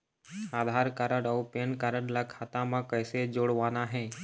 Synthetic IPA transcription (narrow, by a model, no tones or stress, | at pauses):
aːd̪ʱaːɾkaɾəɽɔːpeːnkəɾəɽlɐkʰːat̪ãmãkəːsed͡ʒoːɽʋaːnaɦɛ̃ː